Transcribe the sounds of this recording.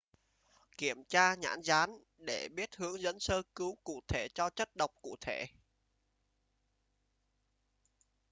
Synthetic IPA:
ki˧˩əmt͡ɕaː˧ɲa̰ː˧˥nzaː˨˦n | ɗe˧˩ɓi˦˥ət̚hɨ˨˦əŋzə̰˧˥nsəː˧kɨ˨˦wkṵ˧˨t̪ʰe˧˩t͡ɕɔ˧t͡ɕə˦˥t̚ɗə˨˩wk͡p̚kṵ˧˨t̪ʰe˧˩˨

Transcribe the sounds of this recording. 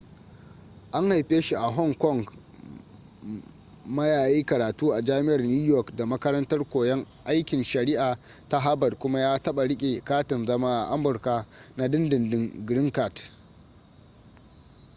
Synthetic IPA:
ʔa˦ŋha˨jɸeː˦ʃi˦ʔa˨ɦɔ˦˨ŋkɔ˦˨ŋɡ | mɐ˦jaː˨jiː˦kɐ˨ɾaː˨tuː˦ʔa˨d͡ʒaː˦mɪ˦ʔɐ˨rnuː˦jɔ˦˨kda˨mɐ˦kɐ˦ɾɐ˦ntɐ˦rkʷoː˨jɛ˦ŋ | ʔa˦jkʲɪ˨nʃɐ˨ɾɪ˦ʔaː˨ | ta˦ɦa˦bɐ˨dkʷʊ˦ma˦jaː˦tɐ˦ɓa˨ɽɪ˦kʲʼe˨kaː˦tɪ˨nzɐ˦maː˦ʔa̰˨ʔa˦mʊ˨rka˦na˦dɪ˦ndɪ˨ndɪ˦ŋɡɾɪ˦ŋka˨t

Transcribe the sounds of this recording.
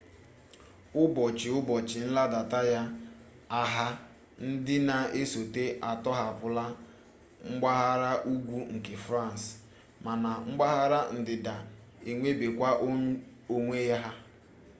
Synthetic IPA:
ʊ˦bɔ˨t͡ʃɪ˨ʊ˦bɔ˨t͡ʃɪ˨n̩˦la˦da˨ta˦ja˦ | a˦ɦa˦ | n̩˦dɪ˦na˨e˦so˨te˦ʔa˨tɔ˦ɦa˨pʊ˦la˦ | ŋ͡m̩˦ɡ͡ba˦ɦa˦ɾa˦ʔu˦ɡʷu˦ŋ̩˨ke˨fɾa˦˨n˨s | ma˨na˨ŋ͡m̩˦ɡ͡ba˦ɦa˦ɾa˦n̩˨dɪ˨da˨ | e˨ŋʷe˦be˨kʷa˦ʔ | o˦ŋʷe˦ja˦ɦa˦

